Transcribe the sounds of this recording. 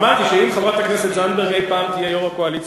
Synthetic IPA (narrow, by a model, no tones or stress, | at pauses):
maʁt̪iʃeimχavʁat̪akneset̪ʒand̪eʁɦe̞jpaːmt̪ijejoʁakoalit͡s